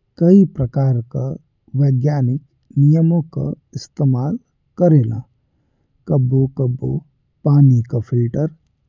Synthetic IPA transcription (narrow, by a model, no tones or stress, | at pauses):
kɐipɾɐkaːɾka | ʋeːɡjaːnɪk | nijəmõka̰ | ɪst̪eːmaːl | kɐɾeːla̰ | kɐbokɐbo̰ | paːnikapʰɪlʈəɾ